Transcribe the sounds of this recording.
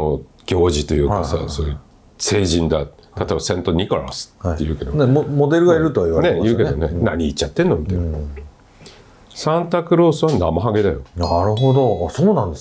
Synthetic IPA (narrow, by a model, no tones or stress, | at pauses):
o | ɡ̥ʲo̞ːʑit̪o̞jɯ̟ːkasa̰soːjɯ | se̞ːʑĩnd̪aat̪obasẽ̞nt̪o̞ɲ̟ikoɾa̰sɨ̥t̪ːejɯ̟ːke̞d̪oneomod̪e̞ɾɯ̟ɡaiɾɯ̟t̪oaiβaɾnejɯːke̞d̪o̞ne̞̰na̰ɲ̟iːt͡ɕːat̪ːe̞nːomʲit̪a | sãnt̪akɯ̟ɾo̞ːsɨβanamaɦaɡe̞d̪ajonaɾɯ̟ɦod̪o̞soːnãnd̪es